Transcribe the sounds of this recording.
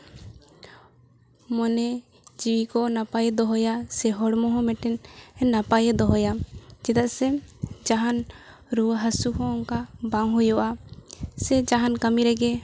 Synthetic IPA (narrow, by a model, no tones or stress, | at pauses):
mɔnɛ | d͡ʒiwikɔnapajɛd̪ɔɦɔjasɛɦɔɽmɔɦɔ̃mɛʈɛnɛnːapajɛd̪ɔɦɔjad͡ʒɛd̪aʔsɛd͡ʒaɦan | ɾuwɦasuɦɔ̃ɔŋkabaŋɦujɔʔasɛd͡ʒaɦankəmiɾɛɡɛ